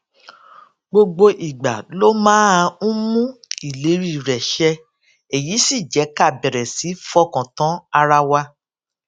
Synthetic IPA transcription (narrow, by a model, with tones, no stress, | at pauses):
ɡ͡bo˧ɡ͡bo˧ʔi˨ɡ͡ba˨lo˦mãː˦a˧ũ˦mũ˦i˦˨le˨˦ɾi˦˨ɾɛ˨ʃɛ˧ | e˨ji˨˦si˦˨d͡ʒɛ˨˦ka˦˨bɛ˨ɾɛ˨si˨˦fɔ˦kɔ̃˨tã˨˦a˧ɾa˧wa˧